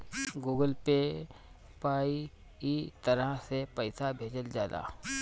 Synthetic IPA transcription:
ɡuːɡəlpe | paːi | it̪əɾəɦsepəɪsabʱeːd͡ʒəld͡ʒaːd̪a̰ː

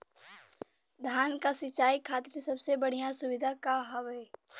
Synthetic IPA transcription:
d̪ʱaːnkasɪt͡ʃːaːikʰaːt̪ɪɾsɐbsebəɽ̤ijasʊʋɪd̪ʱakaɦɔʋeː

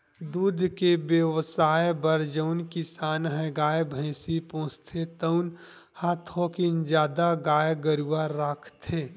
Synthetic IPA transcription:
d̪uːd̪ʱkebjəʋsaːebəɾd͡ʒəʊnkɪsaːnɦɛ̃ɡaːjbʱə̃ɪ̃sipõːst̪ʰet̪əʊn | haːt̪ʰokind͡ʒjaːd̪aɡaːjɡəɾuaɾaːkʰt̪ʰeː

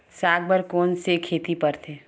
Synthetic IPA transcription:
saːɡ̚bəɾkoːnsekʰeːt̪ipəɾt̪ʰeː

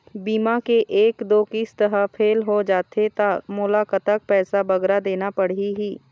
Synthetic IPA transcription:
biːmakeʔeːkd̪oːkiːst̪əɦəpʰeːlɦod͡ʒaːt̪ʰet̪amʊlaːkət̪ak̚pɛːsabɐɡɾad̪eːnapɐɽ̤iɦiː

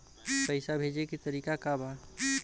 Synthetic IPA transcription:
pəɪsabʱed͡ʒekit̪əɾikakaba

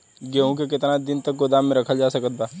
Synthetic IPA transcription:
ɡeːõk̬ek̬ɪt̪nad̪ɪnt̪ɐk̚ɡod̪aːmːẽɾɐkʰəld͡ʒaːsɐkət̪̚baː

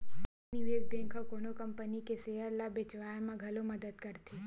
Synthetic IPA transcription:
nɪʋeːd͡ʒbɛ̃ːŋkʰakoːnokɐmpənikeseːəɾlabet͡ʃʋaːjemɐɡʱɐlomɐd̪əd̪kɐɾt̪ʰi

